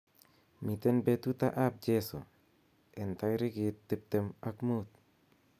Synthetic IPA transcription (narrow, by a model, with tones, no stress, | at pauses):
mi˨t̪e˦nbe˧t̪u˦t̪a˦ʔa˦p̚d͡ʒe˦so̰˨ | e˨nt̪a˧jɾi˦ɡi˨t̪ːi˧p̚t̪e˧ma˦kmu˦t̪̚